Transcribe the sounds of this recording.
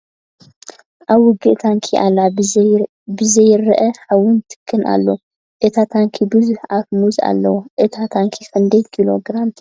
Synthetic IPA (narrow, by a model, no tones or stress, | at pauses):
ʔaβwʊɡːɨʔt̪ʰaŋkʰiʔa̰la | bɨzɐjɪɾɐʔɐħawʊnt̪ʰɨ̥kʰːɨnʔa̰lːɐ | ʔɨt̪ʰat̪ʰaŋkʰibɨzuħafmuza̰lːɐwoʔɨt̪ʰat̪ʰaŋkʰixɨnd̪ɐjkʰilo̞ɡɾamt̪ʰ